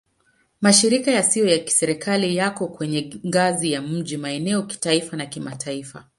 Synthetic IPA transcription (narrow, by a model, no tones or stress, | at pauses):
maʃiɾikajasijɔjaki̥sɛɾikʰalijakɔkwɛɲɛŋɡazijam̩ʄimaɛnɛɔki̥taifanakimatʰaifa̰